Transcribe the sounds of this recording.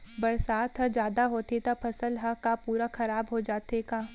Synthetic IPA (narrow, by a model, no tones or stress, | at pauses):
bɐɾsaːt̪ɦɐd͡ʒjaːd̪aɦoːt̪et̪apʰɐsəlɦɐkapuːɾaxɐɾaːbɦod͡ʒaːt̪ekaː